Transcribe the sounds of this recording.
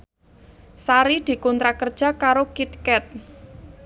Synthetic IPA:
saɾid̪̥i̤kunt̪ɾakərd̥ʒ̥ä̤kaɾokit̪̚kɛt̪̚

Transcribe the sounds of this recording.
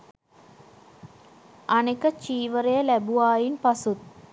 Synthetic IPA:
ɐnekːɐt͡ɕiːʋɐrejɐlɐbuʋaːjinpɐsut̪

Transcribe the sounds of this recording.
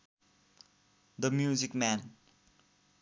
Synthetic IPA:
d̪əmjuzikmæ̃n

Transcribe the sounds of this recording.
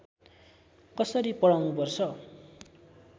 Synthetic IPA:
kʌsʌɾipʌɽawnupʌrt͡sʰʌ

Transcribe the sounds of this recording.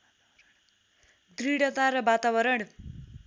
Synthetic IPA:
d̪ɾiɽʌt̪aɾʌbat̪abʌɾʌɽ̃

